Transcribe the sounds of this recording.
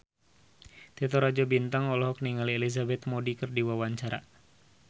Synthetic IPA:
t̪ɛt̪ɔɾad͡ʒɔbint̪aŋɔlɔɦɔk̚niŋalielizabɛt̪̚modikərdiwawaɲt͡ʃaɾa̰

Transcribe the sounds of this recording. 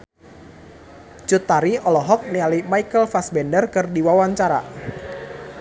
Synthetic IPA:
t͡ʃut̪ːaɾiʔɔlɔɦɔk̚nialimaikəlfasbɛndərkɨrdiwawaɲt͡ʃaɾa̰

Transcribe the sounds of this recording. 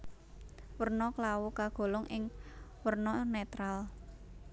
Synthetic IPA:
wərnɔklawukaɡ̥o̤lɔŋʔɪŋwərnɔnet̪ɾal

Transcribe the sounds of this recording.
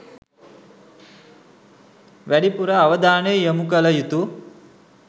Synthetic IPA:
ʋæɽipuɾɐːʋɐd̪aːnejəmukɐlɐjut̪u

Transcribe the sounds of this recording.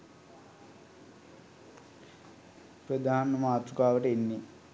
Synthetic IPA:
prəd̪ʱaːnəmaːt̪ɾukaːʋəʈəenːi

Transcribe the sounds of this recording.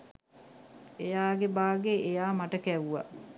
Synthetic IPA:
ejaːɡebaːɡeʔejaːmaʈəkæʋuʋa̰

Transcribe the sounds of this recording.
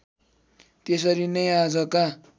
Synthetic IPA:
t̪es̬ʌɾinʌjad͡zʌka

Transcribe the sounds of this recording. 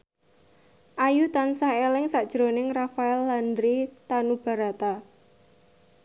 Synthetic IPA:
ʔajut̪ansaɦelɪŋsaʔd̥ʒ̥ɾo̤nɪŋrafaɛlːandɾit̪anub̥a̤ɾat̪a

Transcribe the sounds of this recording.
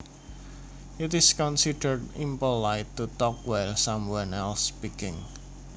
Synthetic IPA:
ʔɪtɪskɔ̃nsidərdĩmpəlaɪtːut̪ɔkwɛlsamwãnɛlspikɪ̃ŋ

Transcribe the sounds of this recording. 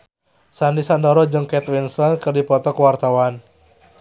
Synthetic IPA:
sandisandɔɾɔd͡ʒəŋkɛt̪winsɔnkɨrdipɔt̪ɔkəwart̪awan

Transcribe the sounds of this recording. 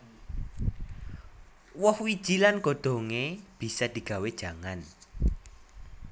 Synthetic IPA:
wɔhwid̥ʒ̥ilanɡ̥o̤d̪̥o̤ŋeb̥i̤sad̪̥i̤ɡ̥ä̤wed̥ʒ̥ä̤ŋan

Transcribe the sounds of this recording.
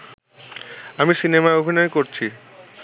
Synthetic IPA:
amisinemaeobʱinɔekoɾt͡ɕʰi

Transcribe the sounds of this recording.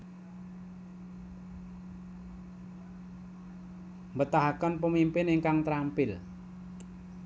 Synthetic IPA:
mbət̪aɦakənpəmimpɪniŋkaŋt̪ɾampɪl

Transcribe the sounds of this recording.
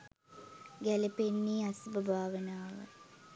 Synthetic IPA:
ɡælepenːiːasbəbʱaːʋənaːʋə̰

